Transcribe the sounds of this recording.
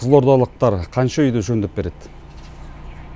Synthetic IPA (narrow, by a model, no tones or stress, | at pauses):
zlˠo̞ɾd̪ɑlˠəq̚t̪ɑɾqʰɑnʃɑʏjd̪eʒɵnd̪eɪp̚be̞ɾe̞d̪̥ɪ